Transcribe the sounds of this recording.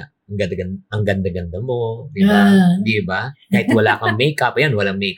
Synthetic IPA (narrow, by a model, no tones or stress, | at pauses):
ɐŋɡɐd̪ɐɡɐnʔɐŋɡɐnd̪ɐɡɐnd̪ɐmo̞d̪ɪbad̪ɪbakaːhɪt̪wɐlaːkɐŋmɛjkapɐjanwɐlaŋmɛjk